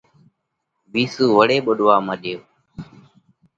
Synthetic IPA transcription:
biːsuːʋəɽeːɓəɗʋaːməɗeːoː

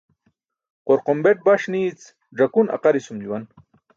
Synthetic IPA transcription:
qoɾqombeʈ̚baʂniːt͡s | ɖ͡ʐɐkunɐ̰qaɾisumd͡ʑuwan

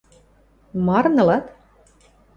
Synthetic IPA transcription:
mɑrnɤ̆lɑt̪

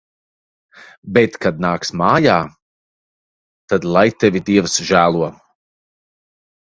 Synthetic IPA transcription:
bɛt̪kad̪̚naːksmaːjaː | t̪ad̪lˠajt̪ɛvʲid̪iɛvsʒæːlˠuɔ

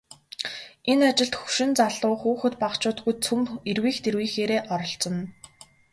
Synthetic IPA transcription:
enat͡ɕɪ̆ɬt̪xɵ̥ʃɪ̆nt͡saɮʊːxuːxɘ̆t̪paqt͡ɕʊːt̪̚ɡujt͡sʰumerwiːxt̪erwiːxeːɾeːʔɔɾɞ̆ɬt͡sɞ̆n

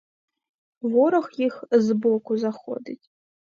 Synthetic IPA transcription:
wɔɾɔxjixzbɔkʊzaxɔ̰d̪ɨtʲ

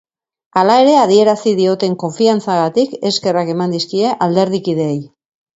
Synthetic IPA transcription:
alae̞ɾe̞að̞ie̞ɾasið̞io̞t̪e̞ŋko̞ɱfiant͡saɣat̪ike̞ske̞rake̞mand̪iskie̞ʔald̪e̞ɾðikið̞e̞ːj

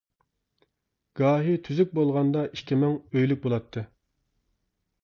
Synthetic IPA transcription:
ɡ̥ɑːɦit̪ʰyzyk̚ʲbolˠʁɑnd̪ɑiʃkʲʰimɛŋøjlyk̚ʲbolˠɑt̪ʰːɨ

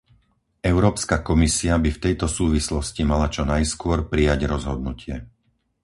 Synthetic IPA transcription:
ɛʊɾɔːpskakɔmisiabift̪ɛjt̪ɔsuːʋislɔscimalat͡ʃɔnajskʊɔɾpɾijaɟɾɔzɦɔd̪̚nucʰɪɛ

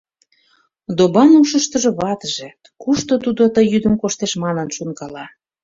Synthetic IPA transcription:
d̪obɑnuʃəʃt̪ə̆ʒŏβɑt̪əʒe | kuʃt̪ot̪ud̪ot̪əjːyd̪əmkoʃt̪eʃmɑnə̆nʃunkɑlɑ

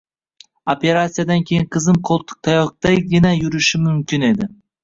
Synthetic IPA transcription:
ope̞ɾat̪sijad̪ankʲʰe̞jɪɴqʰɨzɪmqʰolˠt̪ʰɪ̥k̚t̪ʰajɒk̚t̪aɡʲɪnajʊɾɪʃɪmʊmkʲɪne̞d̪ɪ

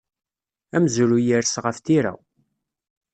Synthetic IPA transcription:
æmzɾujiɾsʁəft̪iɾæ̰w

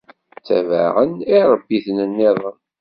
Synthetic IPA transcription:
t͡sːæ̰və̰ʁəniɾˤəbːiθnənːɪðˤən

